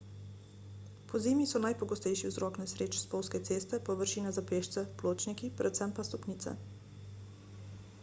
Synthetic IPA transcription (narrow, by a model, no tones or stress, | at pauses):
pɔzeːmisɔnajpɔɡɔst̪ɛjʃiwzɾɔːknɛsɾeːt͡ʃspɔwskɛt̪seːst̪ɛpɔʋəɾʃiːnazapeːʃt̪sɛploːt͡ʃnikipɾʔɛt̪sɛmpast̪ɔpniːt̪sɛ̰